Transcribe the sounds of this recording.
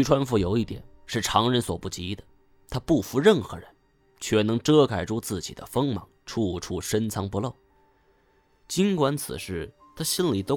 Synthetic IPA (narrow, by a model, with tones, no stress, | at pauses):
y˧˥ʈ͡ʂʰwa˥nfu˧˥jo˨˩ʊi˥˩t̪jɛ̰˨˩˦nʂɻ̩˥˩ʈ͡ʂʰɑ˧˥ŋɻə˧˥nswɔ˨˩pu˥˩t͡ɕi˧˥d̪ə˨ | t̪ʰa˥pu˥˩fu˧˥ɻə˥˩nxɤ̰˧˥ɻə˧˦˥n | t͡ɕʰɥɛ˥˩nɤ˧˥ŋʈ͡ʂɤ˥kʰa˨˩ɪʈ͡ʂʰu˥t͡sɹ̩˥˩t͡ɕḭ˨˩d̪ə̰˦fɤ˥ŋmɑ˧˥ŋʈ͡ʂʰu˥˧ʈ͡ʂʰu˥˩ʂə˥nt͡sʰɑ˧˥ŋpu˧˥lo˥˩ʊ | t͡ɕi˥nkwa˧˥nt͡sʰɹ̩̰˨˩ʂɻ̩˥˩ | t̪ʰa˥ɕi˥nli˨˩t̪o˥